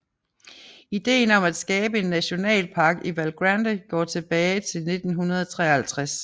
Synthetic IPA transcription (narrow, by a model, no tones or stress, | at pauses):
id̥e̝̰ːnɒ̽mæd̥sɡ̥ɛːb̥əe̝nːæɕo̝nɛ̰ːlpʰɑ̈ɡ̥iʋælɡ̥ʁænd̥eɡ̥ɒ̰ːt͡sʰe̝b̥ɛːɪt͡sʰe̝lne̝d̥n̩ɦunɐð̞ˠɒt͡sʰʁɛ̰ːɐhælt͡sʰʁas